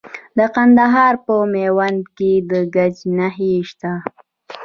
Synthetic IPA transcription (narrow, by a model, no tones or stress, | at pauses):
d̪əqand̪aɦɑɾpəmewand̪ked̪əɡad͡ʒnaɦeʃt̪a